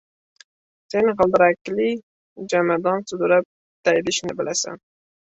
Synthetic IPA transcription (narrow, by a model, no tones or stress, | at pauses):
senʁəlˠd̪ɪɾakːli | d͡ʒamad̪ɑnsʊd̪ʊɾap̚ | d̪̥ajd̪ɪʃnɪbɪlʔasa̰n